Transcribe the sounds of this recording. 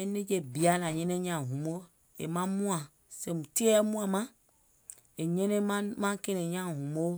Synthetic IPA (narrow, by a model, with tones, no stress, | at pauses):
e˦ne˦d͡ʒe˦bi˨a˦la˨ɲẽ˦ne˦ɲã˨ɦũ˨m˦o˦ | ḛ˨mã˦mũ˦ã˨ | se˨mũ˨t̪i˦e˦a˦mũ˦a˨mã˦ | e˨ɲẽ˦ne˦mã˦ke˦ne˨ɲã˦˨ɦũ˨mo˦